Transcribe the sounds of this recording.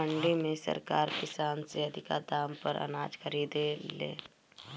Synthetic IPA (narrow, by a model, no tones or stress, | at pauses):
əɳɖimẽsɐ̰ɾkaːɾkɪsaːnseɐd̪ʱɪka̰d̪aːmpɐɾɐ̰naːd͡ʒkʰəɾiːd̪elḛ̃ː